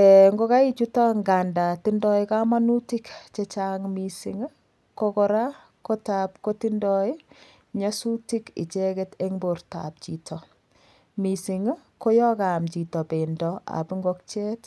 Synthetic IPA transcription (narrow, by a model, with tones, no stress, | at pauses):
ɛŋɡo˦ka˦i˦t͡ʃu˦ta˦ŋɡa˨nda˨ti˦ndɔ˦ɪka˦ma˦nu˦ti˦kt͡ʃet͡ʃaŋmi˨sḭ˨ŋ˦ | ko˦kɔɾa˦ | ko˦ta˨p̚koti˦ndɔi˦ | ɲasu˦ti˦kɪ̰˨t͡ʃɛ˦kɛte˦ŋbo˨ɾta̰˨p̚t͡ʃḭ˨tʰɔ˨ | mi˨si˨ŋ˦ko˦jɔ˦kamt͡ʃi˨tɔ˨pe˨ndɔa̰˨pi˦ŋɡɔk̚t͡ʃɛ˦t